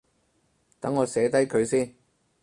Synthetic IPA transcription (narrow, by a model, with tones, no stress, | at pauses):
t̪ɐ˨˥ŋːɔː˨˧sɛː˨˧t̪ɐ˥jkʰɵ˨˧ɥsiː˥n